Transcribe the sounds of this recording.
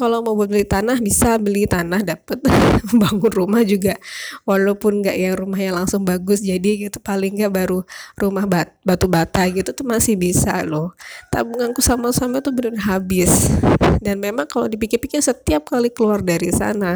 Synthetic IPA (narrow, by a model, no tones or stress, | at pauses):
kalomobuʊt̪̚bəlit̪anahbisabəlit̪anahdapət̪̚məmbaŋʊnrumahd͡ʒuɡawalawpʊnŋɡaʔijaŋrumahjaŋlaŋsʊŋbaɡʊsd͡ʒadiɡit̪upalɪŋɡaʔbaɾurumahbabat̪ubat̪aɡit̪ut̪umasɪhbisalʊht̪a̰buŋaŋkusamasamait̪ubənʊrɦabɪsdanmemaŋkalo̰dip̬ikɪrpikɪrsət̪iap̚kalikəluardaɾisa̰na